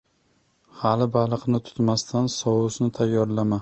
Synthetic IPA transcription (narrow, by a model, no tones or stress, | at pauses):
halɪbalˠɨqnɪt̪ʰʊ̥t̪mast̪ʰansɒwʊsnɪt̪ʰajːɒɾlama